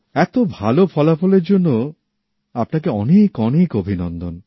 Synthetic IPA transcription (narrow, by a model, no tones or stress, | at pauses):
ɛt̪obʱalofʰɔlafɔleɾd͡ʑonːo | apnak̬eɔnekɔnekobʱinɔnd̪on